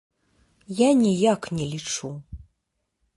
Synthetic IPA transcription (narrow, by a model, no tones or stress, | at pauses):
janʲijaknʲɛlʲit͡ʂu